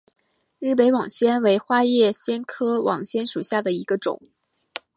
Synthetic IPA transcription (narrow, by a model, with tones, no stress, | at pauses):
ɻ̩˥˩p̬e˧˥ɪwɑ˨˩ŋɕjɛ˥nwe˧˥ɪxwa˥jɛ˥˩ɕjɛ˥nkʰɤ˥wʔɑ˨˩ŋɕjɛ˥nʂu˨˩ɕja˥˩d̪ə˩i˧˥ɡə˧ʈ͡ʂʊ̰˨˩˦ŋ